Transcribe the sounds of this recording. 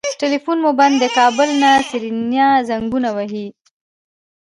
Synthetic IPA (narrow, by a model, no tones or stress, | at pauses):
ʈɪlifunmoband̪ːəkɑbʊlnasiɾinjɑzaŋɡunawaɦi